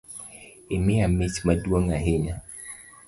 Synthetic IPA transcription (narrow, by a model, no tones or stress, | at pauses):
ɪmɪamitmadwoŋaɦɪɲa